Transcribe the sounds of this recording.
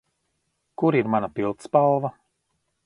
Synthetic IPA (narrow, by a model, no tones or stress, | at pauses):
kuɾiɾmanapilˠt̪spalˠva